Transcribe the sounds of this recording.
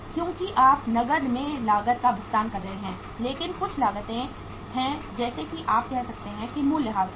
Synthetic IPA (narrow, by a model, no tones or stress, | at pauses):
kjõːkiʔaːpnɐɡəɾmẽlaːɡət̪̚kabʱʊst̪aːnkɐɾːɐɦeɦɛ̃ː | leːkɪnkʊt͡ʃʰlaːɡət̪ẽ | hɛ̃d͡ʒɛːsekiʔaːp̚kɛɦsɐk̚t̪eɦɛ̃kimũːlːɪɦaːz